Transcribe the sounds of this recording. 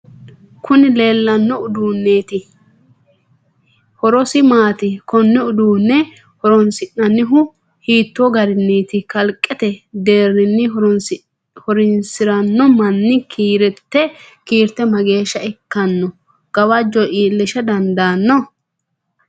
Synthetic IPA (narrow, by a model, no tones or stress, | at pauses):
kʰʊnɪle̞ːlːɐnːɔʊd̪uːnːeːt̪ɪ | hɔɾɔsɪmaːt̪ɪkɔnːɛʊd̪uːnːɛ | hɔɾɔnsɪnːɐnːɪɦʊ | hiːt̪ːɔɡɐɾɪnːeːt̪ɪkɐlkʼːɛt̪ɛd̪e̞ːɾːɪnːɪ | hɔɾɪnsɪɾɐnːɔmɐnːɪkʰiːɾɛt̪ːɛkiːɾt̪ːɛmɐɡe̞ːʃːɐɛkːɐnːɔ | ɡ̥ɐwɐd͡ʒɔʔiːlːɪʃɐd̪ɐnd̪aːnːɔ